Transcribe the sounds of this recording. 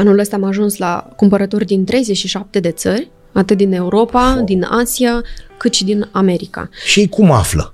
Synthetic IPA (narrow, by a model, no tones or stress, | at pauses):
anuləst̪aːamaʒunsla̰kumpəɾət̪o̞rʲd̪int̪ɾe̞jzet͡ʃʲʃiʃap̚t̪e̞d̪e̞t̪sərʲ | at̪ɨt̪̚d̪ine̞uɾo̞pad̪ina̰siakɨt̪ʃid̪iname̞ɾika̰ʃiejkuma̰flə̰